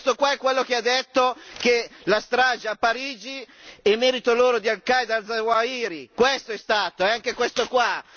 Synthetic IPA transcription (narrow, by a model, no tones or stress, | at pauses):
st̪okwaɛkːwelːokead̪ːet̪ːokelast̪ɾaːd͡ʒaapːaɾiːd͡ʒi | ɛlmːɛːɾit̪oloːɾod̪ialkajd̪ald̪zawaiːɾikwest̪oɛst̪aːt̪oɛaŋkekwest̪okwa